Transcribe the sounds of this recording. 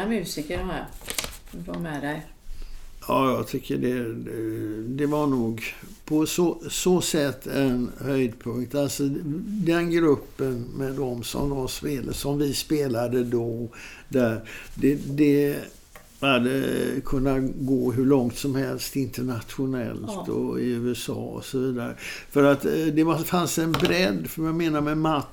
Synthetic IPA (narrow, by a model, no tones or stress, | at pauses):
amʉ̟ːsɪkədɔmæːɾ | vaɾmɛd̪ɛj | jɑːjɑɡt̪ʰʏkʰːəɖɛ | d̪ɛvaɳuːɡ | pʰɔsosoːsɛt̪ːɛnhœjd̪pʰɵŋk̚t̪alsɔd̪ɛnɡɾɵpːənmɛd̪ɔmsɔ̰md̪ɔmspeːləsɔmvɪspeːlad̪əd̪ɔd̪æɾd̪ɛd̪ɛ | had̪ːəkʰɵnːaɡoːɦɵɭɔŋt̪sɔmhɛlst̪ɪnt̪əɳat̪ɧʊnɛ̰lt̪ʰɔ̰ɪʉ̟ːɛsɑ̰ːɔ̰sɔviːd̪aɾə̰fœɾat̪d̪ɛvafansɛnbɾɛd̪ːfœɾjameːnaɾmɛma